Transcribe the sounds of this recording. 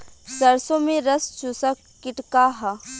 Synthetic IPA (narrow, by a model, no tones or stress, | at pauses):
sɐɾsomẽɾɐst͡ʃusəkːɪʈkaɦa